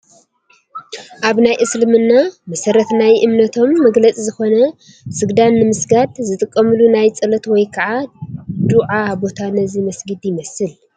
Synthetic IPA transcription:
ʔaβnajʔɨslɨmɨnːamɐsɐɾɐt̪najʔɨmnɐt̪ʰo̞mːɐɡlɐt͡sʼizɨxo̞nɐ | sɨɡd̪anːɨmɨsɡad̪zɨt̪ʼɨkʼːɐmɨlunajt͡sʼɐlɐt̪wɔjkʰɐʕad̪uʕabo̞t̪ʰanɐzimɐsɡɨd̪jɪmɐsɨl

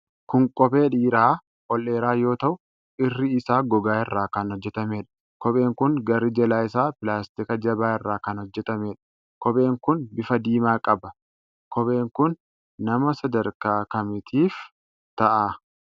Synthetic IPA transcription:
kʊŋkʼɔbe̞ːᶑiːɾaː | ʔɔlːe̞ːɾaːjo̞ːt̪ɐʔʊ | ɪrːɪɪsaːɡɔɡaːɪrːaːkɐnhɔd͡ʒːɛt̪ɐme̞ːᶑɐ̥ | kɔbe̞ːŋkʊŋɡɐɾɪd͡ʒɛlaːɪsaːpɪlaːst̪ɪkɐd͡ʒɐbaːɪrːaːkɐnhɔd͡ʒːɛt̪ɐmeːᶑɐ̥ | kɔbe̞ːŋkʊnbɪfɐd̪iːmaːkʼɐbɐ | kɔbe̞ːŋkʊnː | ɐmɐsɐd̪ɐɾkaːkɐmɪt̪ʰiːf | t̪ɐʔaː

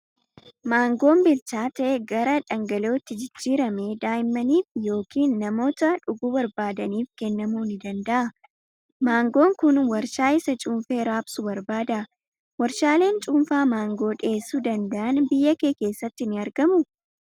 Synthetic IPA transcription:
maːŋɡo̞ːmbɪlt͡ʃaːt̪ɐʔeɡɐɾɐᶑɐŋɡɐlo̞ːt̪ːɪd͡ʒɪd͡ʒːiːɾɐmeːd̪aːjɪmːɐniːfjo̞ːkiːnːɐmo̞ːt̪ɐᶑʊɡuːbɐɾbaːd̪ɐniːfkɛnːɐmuːnɪd̪ɐnd̪ɐʔɐ | maːŋɡo̞ːŋkʊnwɐɾʃaːɪsɐt͡ʃʼuːmfe̞ːɾaːbsʊbɐɾbaːd̪ɐʔɐ | wɐɾʃaːle̞ːnt͡ʃʼuːmfaːmaːŋɡo̞ːᶑe̞ːsuːd̪ɐnd̪ɐʔɐnbɪjːɐkeːke̞ːsːɐt̪ːɪnɪɐɾɡɐmʊ

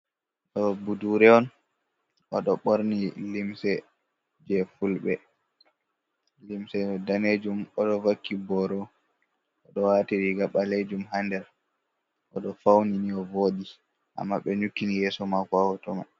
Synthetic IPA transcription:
ɗɔbuduɾɛɔn | ʔɔɗɔɓoɾnilimsɛ | d͡ʒɛfulɓɛ | limsɛdaned͡ʒumɔɗɔvakʰːibɔɾɔ | ʔɔɗɔwatiɾiɡaɓaled͡ʒumɦandɛɾ | ʔɔɗɔfawniniɔvoɗi | ʔa̰mːaɓɛɲukːinijɛsɔmakɔawɔtɔma

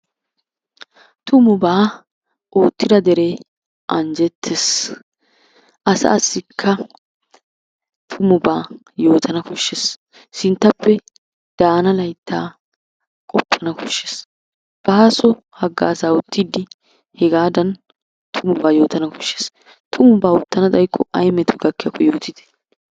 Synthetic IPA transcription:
t̪ʊmʊbaː | ʔoːt̪ːɪd̪ɐd̪ɛɾeː | ʔɐnd͡ʒɛt̪ʰːes | ʔɐsɐ̰ːsːɪkʰːɐ | t̪ʰʊmʊbaː | jo̞ːt̪ʰɐnɐkɔʃːes | sɪnt̪ːɐpːɛ | d̪̥aːnɐlɐjt̪ʰːaː | kʼɔpːɐnɐkɔʃːes | b̥ɐhasɔ | hɐɡːa̰ːsaːʊt̪ːɪd̪ɪ | hɛɡaːd̪ɐn | t̪ʰʊmʊbaːjo̞ːt̪ɐnɐkɔ̥ʃːes | t̪ʰʊmʊbaːʊt̪ːɐnɐd̪ʼɐjkːɔʔɐjmɛt̪ʊɡɐkːɐkːɔjo̞ːt̪ɪd̪ɛ̥

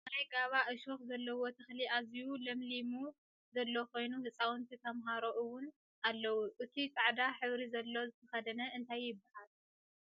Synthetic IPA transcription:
majɡaβaʔɨʃoxzɐlːɐwot̪ʰɨxliazijulɐmlimu | zɐlːo̞ko̞jnuhɨt͡sʼawɨnt̪ʰit̪ʰɐmɦaɾoʔɨwʊn | ʔalːɐwuʔɨt̪ʰit̪ʼaʕd̪aħɨβɾizɐlːo̞zɨt̪ʰɐxɐd̪ɐnɐʔɨnt̪ʰajːɪbːahal

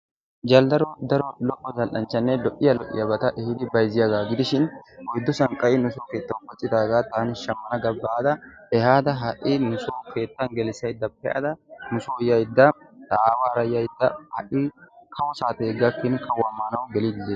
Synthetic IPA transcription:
d͡ʒɐld̪ɐɾɔd̪ɐɾɔlɔʔːɔzɐlʔɐnt͡ʃːɐnːelɔʔɪjɐlɔʔɪ̰jɐbɐt̪ɐʔɛhɪd̪ɪbɐjzɪjɐɡaːɡɪd̪ɪʃɪnwɔjɪd̪ːʊsɐŋkʼɐʔɪnʊsoːke̞ːt̪ːɐwpɐt͡ʃʼɪt̪aːɡaːt̪aːnɪʃɐmːɐnɐɡɐbːaːd̪ɐɛhaːd̪ɐɦɐʔɪnʊsoːkʰe̞ːt̪ːɐŋɡɛlɪsɐjɪd̪ːɐpɛʔɐ̰d̪ɐnʊsoːjɐjɪd̪ːɐ | t̪ɐʔaːwaːɾɐjɐjɪd̪ːɐhɐʔɪkʰɐwɔsaːt̪eɡɐkːɪnkɐwamːaːnɐwɡɛlɪd̪ɪze

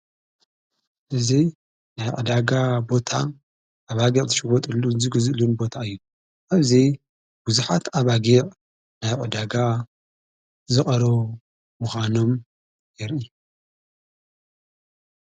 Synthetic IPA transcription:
ʔɨzi | najʕɨ̰d̪aɡabo̞t̪ʰa | ʔaβaɡiʔʼzɨʃɨwɔt̪ʼɨlːuzɨɡɨzlunbo̞t̪ʰaɨjːu | ʔaβzi | b̥uzuħat̪aβaɡeʔʼ | najʕʼɨd̪aɡa | zɨχʼɐɾo | muxano̞m | jɛɾʔi

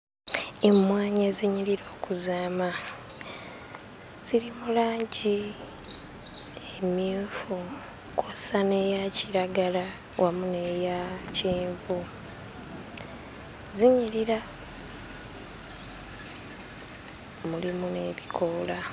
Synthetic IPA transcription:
emwaːɲeziɲiliɾo̞ːkuzaːma | z̥ilimulaːɲɟi | emjiːfu | kʰosane̞jaciɾaɡala | wʔamune̞jaciːɱvu | ziɲiliɾa | mulimune̞ːβikʰola

